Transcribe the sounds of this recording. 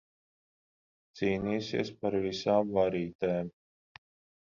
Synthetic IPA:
t̪siːniːsḭɛspaɾvisaːmvaɾiːt̪ɛːm

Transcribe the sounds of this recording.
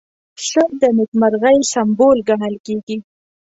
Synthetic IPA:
ʃəd̪ənɪt̪maɾɣajsambolɡaɳəlkeɡi

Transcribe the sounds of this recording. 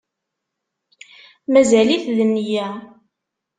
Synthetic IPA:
mæzæliθðənːjæ

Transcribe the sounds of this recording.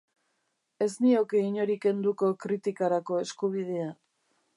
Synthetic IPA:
e̞znio̞keiɲo̞ɾike̞nd̪uko̞kɾit̪ikaɾako̞e̞skuβ̞ið̞e̞a

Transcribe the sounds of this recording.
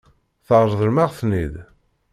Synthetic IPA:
θəʁɾˤðˤəlmaʁθnið

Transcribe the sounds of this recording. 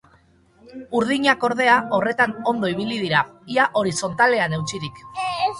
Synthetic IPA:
uɾð̞iɲako̞ɾð̞e̞ao̞re̞t̪ano̞nd̪oiβ̞ilið̞iɾaiaʔo̞ɾiso̞nt̪ale̞ane̞wt͡siɾik

